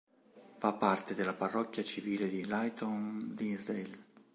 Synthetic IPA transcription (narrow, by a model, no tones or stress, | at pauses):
fapːart̪ed̪ɪlaparːɔkːjat͡ʃiviːled̪ilajt̪ʰɔnd̪izel